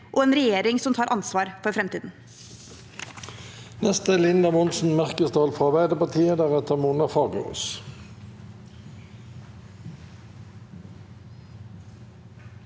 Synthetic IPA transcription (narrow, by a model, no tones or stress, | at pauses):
ʔoːeːnɾɛjeːɾɪŋsɔmt̪ʰɑːɾʔɑnsʋɑːɾfɔɾfɾɛmt̪iːd̪n̩ | nɛst̪əlɪnd̪ɑmʊnsn̩mæʁkəst̪ɑːlfʁɑʋæɪd̪əpɑʁt̪ʰiːəd̪æːʁɛt̪əʁmunɑfɑːɡə̰o̰s